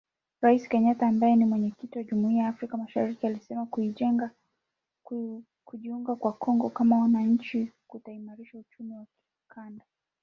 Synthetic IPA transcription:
ɾaisi̥kɛɲataːmbajɛnimwɛɲɛkitiwaʄumuiajaːfɾikamaʃaɾikialisɛmakuiʄɛŋɡa | kuʄiuŋɡakwakʰɔŋɡɔkamawanaɲ̩t͡ʃikutaimaɾiʃaut͡ʃumiwaki̥ | kʰanda

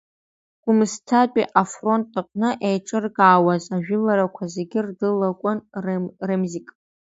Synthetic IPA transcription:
ɡ̥ʷʊmɨstʰapʷʼiʔafro̞ntʼaqʷʼnɨʔejʈ͡ʂʼɨrɡaːwazaʒᶣɪlaɾakʷʰazeɡʲɪrdɨlakʷʼanremzikʼ

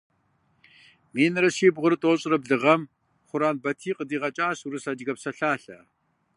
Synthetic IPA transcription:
miːnɨɾɐʃiːbʁʷʊɾɨtʼoːɕʼɪrɐbɮɨʁɐm | χʷʊɾaːnbɐtʰiːqədiːʁɐt͡ʃʼaːɕuɾɨsɐd͡ʒɡɐpsɐɬaːɬɐ

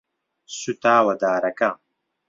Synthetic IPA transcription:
sut̪aːwɐd̪aːɾɐka

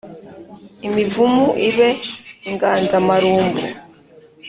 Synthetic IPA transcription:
imivumuʔiβeŋɡaːnzamaɾuːmbṵ

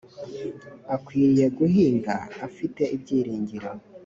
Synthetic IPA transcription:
akwiːje̞ɡuhiːŋɡaafite̞ibɟiːɾiːɲɟiɾo

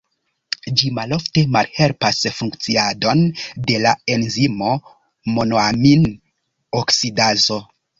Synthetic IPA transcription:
d͡ʒimalo̞fte̞malhe̞lpasfuŋkt͡siado̞nde̞lae̞nzimo̞ | monoamin | oksidazo̞

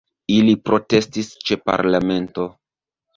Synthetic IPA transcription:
ilipɾʔo̞te̞stist͡ʃe̞pa̰ɾlame̞nto̞

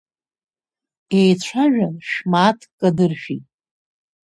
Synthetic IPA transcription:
ejt͡ɕʷʰaʒᶣanʃmaːtʰkʼːadɨrʃᶣitʼ

